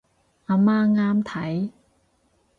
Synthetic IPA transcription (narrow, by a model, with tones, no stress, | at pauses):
aː˧maː˥ŋaː˥mt̪ʰɐ˨˥j